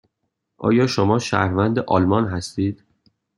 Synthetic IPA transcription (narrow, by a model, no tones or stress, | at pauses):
ʔɒ̰ːjɒːʃomɒːʃæ̰hɾvænd̪eʔɒːlmɒnɦæst̪iːd̪̥